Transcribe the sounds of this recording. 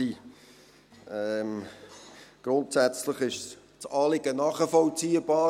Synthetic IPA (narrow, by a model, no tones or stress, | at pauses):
i | ɛm | ɡ̥ɾʊntsæt͡sləχɪʃs | t͡sɑːlɪɡənɑːχəfɔlt͡siːəb̥ɑː